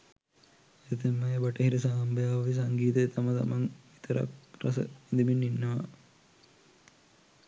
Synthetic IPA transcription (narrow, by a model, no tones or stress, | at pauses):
et̪emːɐebaʈəɦiɾəs̬aːmbəjaːʋʋis̬aŋɡiːt̪əet̪ʰamət̪a̰maŋʋit̪əɾa̰krasə̰id̪ibinːinːəʋa̰